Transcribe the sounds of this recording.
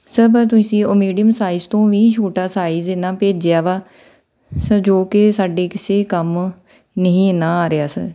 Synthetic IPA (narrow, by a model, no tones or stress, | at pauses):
səbət̪ʊsĩːomiːɖɪjəmsaːɪzt̪õːʋiːt͡ʃʰoːʈaːsaːizenaːpeːd͡ʒɪaːʋaː | səd͡ʒoːkɪsaːɖeːkɪseːkəm | nəɦĩːnaːaːɾɪjaːsə̰ɾ